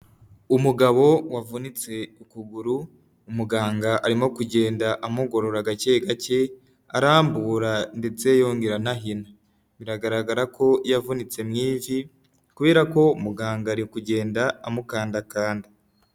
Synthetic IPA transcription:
umuɡaβo̞wavunit͡se̞ukuɡuɾu | umuɡaːŋɡaʔaɾimo̞kuɟe̞ːndaʔamuɡo̞ɾo̞ɾaɡace̞ɡace̞ | aɾaːmbuːɾande̞t͡se̞jo̞ːŋɡeɾanaɦina | miɾaɡaɾaɡaɾakʰo̞javunit͡se̞mŋiːvi | kuβe̞ːɾako̞umuɡaːŋɡaːɾikuɟe̞ːndaamukaːndakaːnda

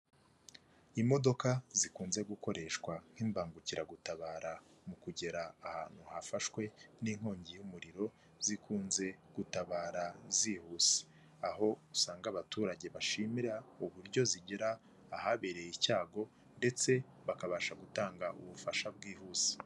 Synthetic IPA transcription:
imo̞do̞kazikuːnze̞ɡuko̞ɾʔe̞ʃkwaŋ̥hiːmbaːŋɡuciɾaɡutaβaːɾamukuɟe̞ɾaːha̰ːn̥huhafaʃkwe̞niŋ̥ho̞ːɲɟijumuɾiɾo̞ | z̥ikuːnze̞ɡ̥utaβaːɾaziːhuːse̥ | aɦo̞usaːŋɡaːβatuːɾaɟe̞βaʃimiɾauβuɾɟo̞ziɟeɾaː | haβe̞ɾe̞jicaːɡo̞ | nde̞t͡se̞ | βakaβaːʃaɡutaːŋɡaʔuβufaʃab̚ɡiːhuːse̥

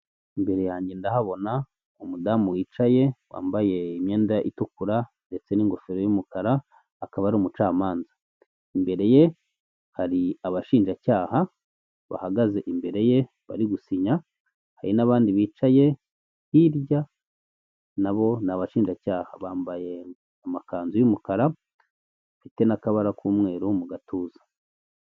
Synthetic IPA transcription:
imbe̞ɾe̞jaːɲɟe̞ndahaβo̞na | umudamuwiːt͡ʃaje̞wa̰ːmbaje̞imɲe̞ːndaʔitukuɾande̞t͡se̞niːŋɡo̞feɾojumukʰaɾaː | kaβaɾumut͡ʃaːmaːnzḁ | imbe̞ɾe̞je̞ | haɾiaβaʃiːnʒacaːha | βa̰haɡaze̞ʔimbe̞ɾe̞je̞ | βa̰ɾiɡusiɲa | haɾinaβaːndiβiːt͡ʃaje̞ | hiɾɟa | naβo̞naβaʃiːnʒacaːha̰βaːmbaje̞ | amakaːnzujumukaɾa | afite̞nakaβaɾakuːmŋe̞ːɾumuɡatuːzḁ

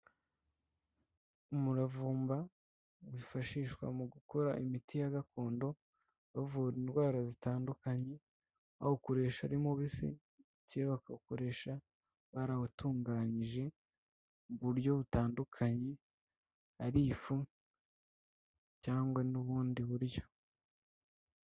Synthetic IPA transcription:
umuɾavuːmba | βifaʃiːʃkwa̰muɡuko̞ɾaʔimitijaɡako̞ːndo̞ | βavuɾindwaːɾazitaːndukaɲe̞ | ahokoɾe̞ːʃaɾimoβisḭ | ceβakaukoɾe̞ːʃa | βaɾaβutuːŋɡaɲiʒe̞ | βuɾjo̞βutaːndukʰaɲe̞ | aɾifu | caːŋɡwanuβuːndiβuɾjo̞̥

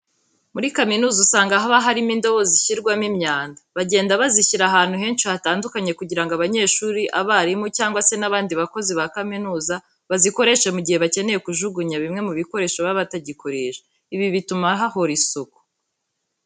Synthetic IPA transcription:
muɾikaminuːzusaːŋɡaɦaβaɦaɾimindo̞βoziçiɾɡwamimɲaːndaβaɟe̞ːndaβaziçiɾaɦaːn̥huɦe̞ːnʃihataːndukaɲe̞kuɟiɾaŋɡoaβaɲe̞ːʃuːɾiʔaβaɾimucaːŋɡwase̞naβaːndiβako̞ziβakaminuːza | βaziko̞ɾe̞ʃe̞muɟihe̞βace̞ne̞je̞kuʒuɡuɲaβimŋe̞muβiko̞ɾe̞ːʃoβaβataɟikoɾeːʒe | iβiβitumaɦaho̞ɾisoku̥

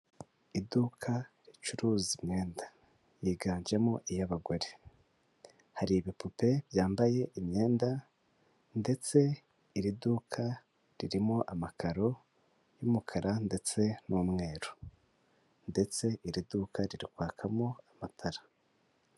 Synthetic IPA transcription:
idukʰaɾit͡ʃuɾuːzimɲe̞ːnda | jiɡaːɲd͡ʒe̞moʔijaβaɡoɾe | haɾiβipupe̞βjaːmbaje̞ʔimɲe̞ːnda | nde̞t͡se̞ | iɾidukʰa | ɾiɾimoʔamakʰaɾo̞ | jumukʰaɾande̞t͡se̞numŋe̞ːɾo | nde̞t͡se̞ʔiɾidukʰaɾiɾikwaːkʰamoamatʰaɾa

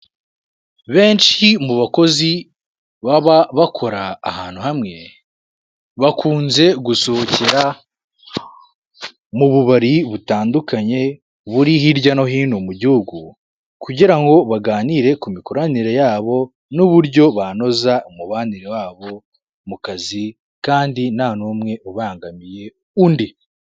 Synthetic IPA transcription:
βe̞ːnʃimuβako̞zi | βaβaβakʰo̞ɾa̰ːhaːn̥uhamŋe̞ | βakʰuːnze̞ɡusoociɾa | muβuβaɾiβutaːndukaɲe̞ | βuɾihiɾɟano̞ɦiːnumuɟihuɡu | kuɟiɾaŋɡo̞βaɡaːniɾe̞kumikoɾaniɾe̞jaːβo̞ | nuβuɾɟo̞βano̞zaumuβaːniɾewaːβo̞ | mukazi | kaːndinaːnumŋe̞ʔuβaːŋɡamije̞ | undi

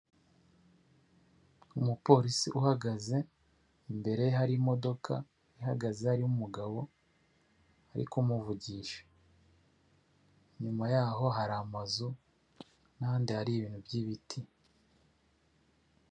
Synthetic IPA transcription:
umupo̞ːɾisiʔuhaɡaze̞ | mbe̞ɾe̞jeɦaɾimo̞do̞kʰa̰ | iɦaɡaze̞haɾiumuɡaβo̞ | haɾḭkumuvuɟiːʃḁ | ɲumajaːɦo̞ɦaɾamazu | naːndihaɾiːβiːn̥hubɟiβitʰi

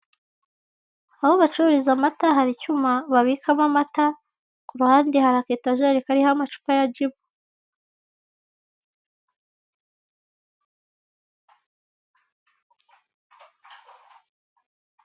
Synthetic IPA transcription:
ahoβat͡ʃuɾizamataɦaɾicumaβaβikʰamamata | kuɾuhaːndihaɾaketaʒeɾikaɾihamat͡ʃu̥pajaɟiβo

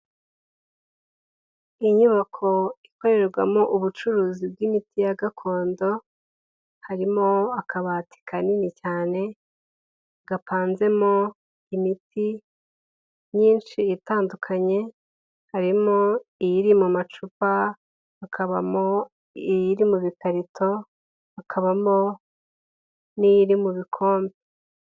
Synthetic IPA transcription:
iɲuβakʰo̞iko̞ɾe̞ɾɾɡwamoʔuβut͡ʃuɾuːzib̚ɡimitijaɡakʰo̞ːndo̞ | haɾimoakʰaβatʰi̥kʰaninicaːne̞ | ɡ̥apʰaːnze̞mo | imiti | ɲiːnʃiːtaːndukʰaɲe̞ | haɾimoijiɾimumat͡ʃupaː | kʰaβa̰mo | ijiɾimuβikʰaɾitʰo̞ | akʰaβamo | nijiɾimuβikʰo̞ːmbe

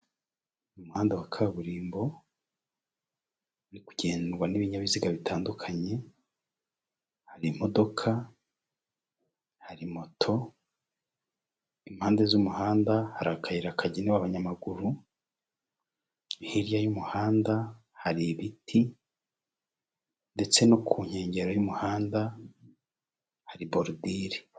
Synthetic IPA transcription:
umuhaːndawakʰaβuɾiːmbo̞ | ɾiku̥ɟe̞ːnɾwaniβiɲaβiziɡaβitʰaːndukʰaɲe̞ | haɾimo̞do̞kʰa | haɾimo̞tʰo̞ | imhaːndezumuhaːndahaɾakʰaiɾakʰaɟineβaβaɲamaɡuɾu | hiɾjajumuhaːnda | haɾiβitʰi | nde̞t͡se̞nokʰuːɲ̥e̞ːɲɟe̞ɾojumuhaːnda | haɾiboɾudiːɾi

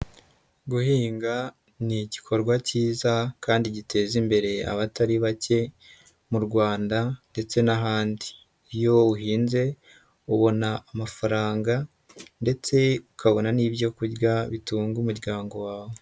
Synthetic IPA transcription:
ɡuhiːŋɡa | niɟikʰo̞ɾɡwaciːzakaːndiɟitʰe̞ːzimbe̞ɾe̞a̰βataɾiβace̞ | muɾɡwaːndande̞t͡se̞naɦaːndiː | jo̞uɦiːnze̞ | uβo̞naːmafaɾaːŋɡa | nde̞t͡se̞ukaβo̞naniːbjo̞kuɾɡaβituːŋɡumuɾɟaːŋɡo̞waːβo̞

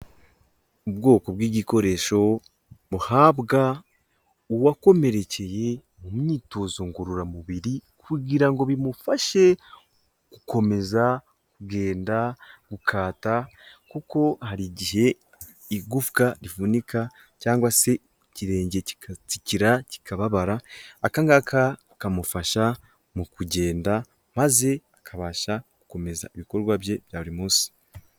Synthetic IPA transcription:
ubɡo̞ːko̞bɡiːɟiko̞ɾe̞ʃo̞ | βuhaːβɡa | uwako̞me̞ɾe̞cʰe̞je̞ | mumɲiːtoːzoŋɡuɾuɾamuβiɾikʰuɟiɾaŋɡo̞βimufaʃe̞ | kukʰo̞me̞za | kuɡe̞ːndaɡ̥ukʰaːta | kuko̞haɾiɟiɦe̞ | iɡufkaɾifunikʰa | caːŋɡwase̞ | ciɾe̞ːɲɟe̞iciɾaci̥kʰaβaβaɾaakaŋɡaka | kamufaʃa | mukuɟe̞ːnda | maze̞akʰaβaːʃaɡ̥u̥ko̞me̞za̰iβiko̞ɾɡwabje̞βjaβuɾimuːsi̥

